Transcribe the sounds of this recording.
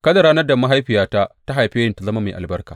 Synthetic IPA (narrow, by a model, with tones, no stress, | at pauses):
kɐ˦da˨ɾaː˦nɐ˦rda˨ma˦ɦa˦jɸɪ˨jaː˦ta˦ta˦ɦa˨jɸɪ˦jɪ˦nta˨zɐ˦ma˦ma˨jʔa˨bɐ˦rkaː˨